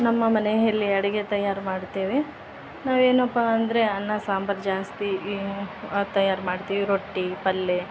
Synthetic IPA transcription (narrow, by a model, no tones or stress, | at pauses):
nɐmːɐmɐneɦɐlːiɐɽɐɡet̪ɐjːaːɾmaːɖt̪eːʋe | naːʋe̞ːnɐpːaɐnd̪ɾe̞ɐnːɐsaːmbɐɾd͡ʒaːst̪i | t̪ɐjaːɾmaːɖt̪iːʋiɾoʈːipɐlːe